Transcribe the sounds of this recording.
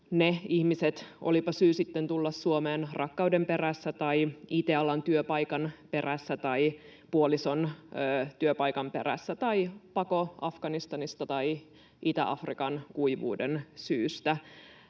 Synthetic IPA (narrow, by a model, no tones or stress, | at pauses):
neihmiset̪ʔolipɑsyːsit̪ːent̪ulːɑssuomeːnrʔɑkːɑwdemperæsːæt̪ɑiit̪eɑlɑnt̪yøpɑjkɑnpe̞ræsːæt̪ɑipuoliso̞nøt̪yøpɑjkɑmperæ̰sːæt̪ɑipɑkoɑfɡ̥ɑnist̪ɑnist̪ɑt̪ɑi | ʔit̪æ̰ʔɑ̰frikɑnkuiʋṵːdensyːst̪æ